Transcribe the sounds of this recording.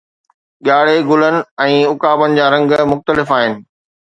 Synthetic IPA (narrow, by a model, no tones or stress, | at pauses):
ɠaːɽ̤eɡʊlənɪ̆ɛ̃ːʊkaːbənɪ̆d͡ʑaːɾɐ̃ŋɡmʊxt̪əlɪfaːɦɪnɪ̆